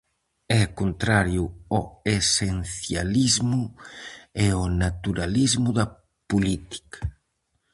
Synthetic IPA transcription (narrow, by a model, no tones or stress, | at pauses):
ɛkunt̪ɾaɾjuoesenθjalizmu | eonat̪uɾalizmuða | pulit̪i̥kḁ